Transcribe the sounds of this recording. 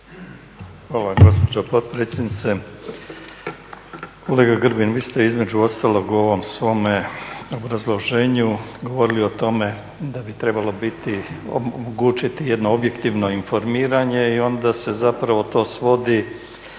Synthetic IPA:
xʋaːlaɡo̞spo̞d͡ʑopo̞d̪̚pɾe̞t̪sʲje̞d̪nit̪se̞ | kʰo̞le̞ːɡaɡr̩binʋiːst̪e̞izme̞d͡ʑuo̞st̪alo̞ɡuo̞ʋo̞msʋo̞meo̞bɾazlˠo̞ʒe̞ːɲuɡo̞ʋo̞ɾiliot̪o̞me̞ | d̪abit̪ɾe̞balo̞bit̪io̰moɡuːt͡ʃit̪ije̞d̪no̞obje̞kt̪iʋno̞info̞ɾmiːɾaɲe̞io̞nd̪ase̞zapɾaʋo̞t̪o̞ːsʋo̞d̪i

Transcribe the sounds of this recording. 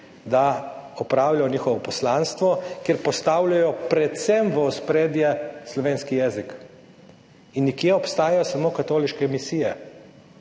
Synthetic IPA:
d̪aɔpɾaːwlajɔniːxɔʋɔpɔslaːnst̪ʋɔkjeːɾpɔst̪awlajɔpɾɛt̪sɛmʋəuspɾeːd̪jɛslɔʋeːnskijɛːzik | inːikjeɔpst̪aːjajɔsamoːkat̪oːliʃkɛmisijɛ

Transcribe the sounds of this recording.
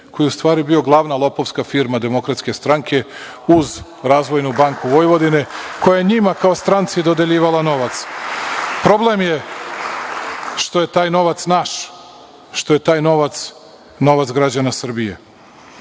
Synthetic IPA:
ko̞jeust̪ʋaːɾibio̞ɡlˠaːʋnalˠo̞po̞ʋskafiɾmad̪e̞mo̞kɾat̪ske̞st̪ɾaŋkʰe̞ | uz | ɾaːzʋo̞jnubaŋkuʋo̞jʋo̞d̪ine̞ko̞jajeɲimakaost̪ɾant̪sijed̪o̞d̪eʎiːʋalano̞ʋat̪s | pɾo̞ble̞mje̞ | ʃt̪o̞je̞t̪aːjno̞ʋat̪snaʃ | ʃt̪o̞je̞t̪aːjno̞ʋat̪s | no̞ʋat̪sɡɾad͡ʑanasr̩bije

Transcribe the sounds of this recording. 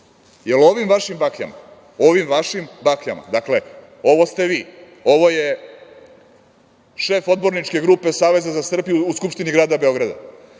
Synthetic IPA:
jeloʋimʋaʃimbakʎa̰ma | o̞ʋimʋaʃimbakʎama̰d̪akle̞ | o̞ʋo̞st̪e̞ʋiː | o̞ʋo̞je̞ | ʃeːfo̞d̪bo̞ɾnit͡ʃke̞ɡɾuːpe̞saːʋe̞zazasr̩bijuuskupʃt̪iniɡɾaːd̪abe̞o̞ɡɾad̪a̰

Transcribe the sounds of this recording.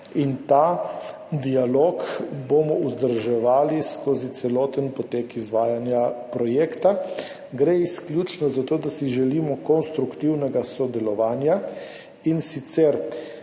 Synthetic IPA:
int̪a | d̪ialoːkbomɔuzd̪əɾʒɛʋaːliskoːzit̪sɛlɔːt̪ənpɔt̪eːkizʋaːjanjapɾɔjekt̪a | ɡɾeiskljut͡ʃnɔzat̪oːd̪asiʒɛlimɔkɔnst̪ɾukt̪iwnɛɡasɔd̪ɛlɔʋaːnja | insit̪sɛɾ

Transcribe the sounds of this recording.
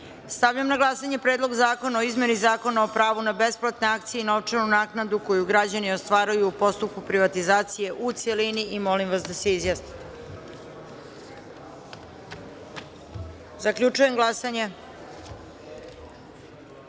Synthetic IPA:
st̪avʎamnaɡlˠasaɲe̞pɾe̞ːd̪lˠo̞ɡzaːko̞naoizme̞nizaːko̞nao̞pɾaːʋunabe̞splˠat̪ne̞ak̚t̪sijenaoʋt͡ʂanunaːknad̪uko̞juɡɾad͡ʑanio̞st̪ʋaːɾajuːpo̞st̪up̚kupɾiʋat̪izaːt̪sije̞ʔut̪seliniʔimo̞limʋas̬d̪ase̞izjasni̥t̪ | zakʎʲut͡ʂuje̞mɡlˠasaɲe̞

